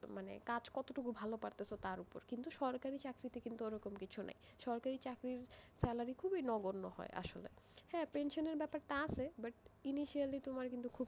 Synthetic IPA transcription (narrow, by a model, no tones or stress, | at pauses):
manḛkad͡ʑkɔt̪oʈukubʱalopaɾt̪esʰot̪aɾupo̰ɾkint̪uʃɔɾkaɾit͡ɕakɾit̪ekint̪ueɾɔkomkit͡ɕʰunʔḛj | ʃɔɾkaɾit͡ɕakɾiɾsɛlaɾikʰubinɔɡoɾno̰hɔ̰eʔa̰ʃolḛhɛpenʃoneɾbɛpaɾʈaasʰebaʈ̚iniʃialit̪omaɾkint̪ukʰub